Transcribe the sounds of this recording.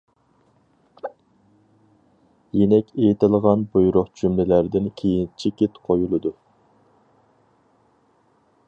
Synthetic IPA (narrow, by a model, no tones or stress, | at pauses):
jenɛkʲejt̪ʰɪlˠʁɑnbujɾʊχt͡ʃʰymlɪlæɾd̪ɪnkʲʰejint͡ʃʰikʲet̪qʰojulˠɨd̪u